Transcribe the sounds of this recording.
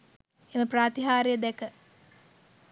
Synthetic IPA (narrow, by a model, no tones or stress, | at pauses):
eməpraːt̪iɦaːɾejəd̪ɛkə